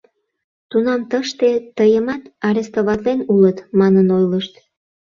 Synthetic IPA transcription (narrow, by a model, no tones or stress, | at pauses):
t̪unɑmt̪əʃt̪et̪əjəmɑt̪ɑɾest̪oβɑt̪lenulət̪mɑnənojləʃt̪